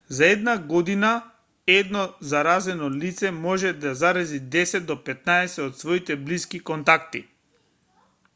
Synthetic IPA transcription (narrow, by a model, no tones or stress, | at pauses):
zaɛd̪naɡɔd̪ina | ɛd̪nɔzaɾazɛnɔlit̪sɛmɔʒɛd̪azaɾazid̪ɛsɛd̪̚ɔpɛt̪naɛsɛɔt̪svɔit̪ɛbliskikɔnt̪akt̪i